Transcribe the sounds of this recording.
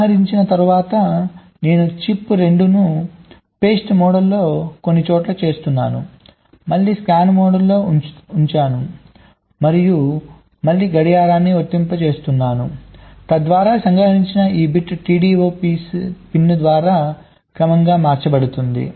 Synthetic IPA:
ɦɐɾiɲt͡ʃinɐt̪ɐɾuʋaːt̪ɐ | ne̞ːnut͡ʃipːɾe̞ɳɖunu | pe̞ːsʈmɔːɽɐlːo̞ːkonːit͡ʃɔːʈlɐt͡ʃe̞ːst̪unːa̰ːnṵ | mɐɭːiːskaːnmɔːɽɐlːo̞ːuɲt͡ʃaːnu | mɐɾiju | mɐɭːiːɡɐɽijaːɾaːnːiot̪ːimpɐt͡ʃe̞ːst̪unːaːnṵt̪ɐd̪ʋaːɾaːsɐŋɡɐɦiɲt͡ʃinɐʔiːbiʈʈiːɖiːʋoːpiːspinːd̪ʋaːɾaː | kɾɐmɐŋɡaːmaːɾt͡ʃɐbɐɽut̪und̪ḭ

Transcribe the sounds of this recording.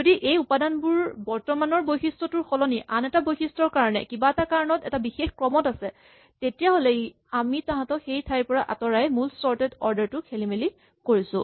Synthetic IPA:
zodiʔejupadanbuɹbɔɹtɔmanɔɹbojxistɔtʊɹxɔlɔniʔanɛtabojxistɹɔɹkaɹɔnɛ̰kibaɛtakaɹɔnɔtɛ̰tabixexkɹɔmɔtasɛ | tetijaɦolɛ | amitaɦãtɔxejtʰajpɔɹaʔa̰tɔɹajmulstɔɹtɛdɔɹdɛɹtʊkʰelimeli | koɹisʊ̰̃

